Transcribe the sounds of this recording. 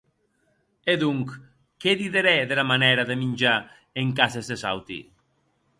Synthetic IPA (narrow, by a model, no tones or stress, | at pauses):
eðuŋkː | eðiðeɾɛðelamanɛɾaðeminʲd͡ʒa | eŋkasesesa̰wt̪ḭ